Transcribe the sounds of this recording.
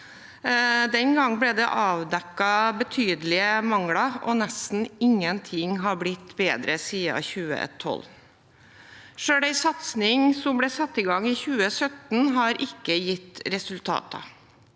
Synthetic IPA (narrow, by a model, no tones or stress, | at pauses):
d̪ɛnɡɑŋːblɛd̪ɛʔɑːʋd̪ɛkːɑbət̪ʰyːd̪əlɪəmɑŋɽɑʔɔnɛst̪n̩ɪŋːənt̪ʰɪŋɦɑɾblɪt̪ːbeːd̪ɾəsiːɑ̰çʉːə̰ɛ̰t̪ʰːɔ̰lː | ʂøːɽæɪsɑt̪snɪŋsɔmblɛːsɑt̪ːɪɡɑŋiːçʉːəsœt̪n̩ɦɑɾʔɪkːəjɪt̪ːɾɛsʉlt̪ʰɑ̰ːt̪ə̰